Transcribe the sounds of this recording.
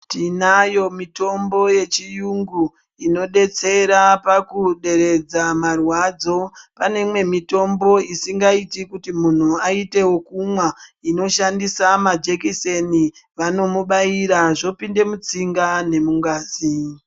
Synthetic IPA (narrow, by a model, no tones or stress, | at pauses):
tinajo̞mito̞mbo̞je̞t͡ʃijuŋɡu | ino̞ɗe̞t͡se̞ɾapakuɗe̞ɾe̞d͡zamarwad͡zo̞pane̞mwe̞mito̞mbo̞isiŋɡaitikutimun̤uaite̞wo̞kumwaino̞ʃandisamad͡ʒekiseniʋano̞muɓaiɾaʐo̞pinde̞mut͡siŋɡane̞muŋɡaːzi